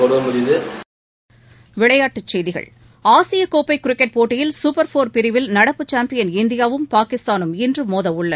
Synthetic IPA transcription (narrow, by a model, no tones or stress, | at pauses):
ɔɾɯmʊɾɪðɯ | ʋɪɭɐjaːʈːɯt͡ʃːɛjðɪɣɐ̰ɭ | aːsɪjɐkːoːpːɐɪkːʊɾɪkːɛʈ̚poːʈːɪjɪlsʊpɐɾfoːɾpɪɾɪʋɪlnɐɽɐpːɯt͡ʃaːmpɪjɐnɪnd̪ɪjaːʋɯmpaːkɪst̪aːnɯmɪndrɯmoːðɐʋʊɭːɐ